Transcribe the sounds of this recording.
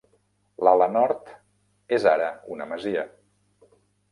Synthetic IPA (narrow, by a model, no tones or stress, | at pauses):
lalənɔɾt̪ | ezaɾəunəməziə